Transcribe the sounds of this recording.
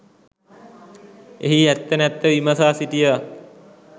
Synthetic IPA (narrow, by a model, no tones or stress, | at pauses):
eɦiæt̪ːənɛt̪ːəʋiməsaːsiʈijə